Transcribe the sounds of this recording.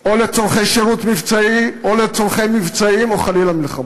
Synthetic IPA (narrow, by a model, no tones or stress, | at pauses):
olet͡soʁχejʃeʁut̪mivt͡saiolet͡soʁχejmːivt͡saimoχalilamilχama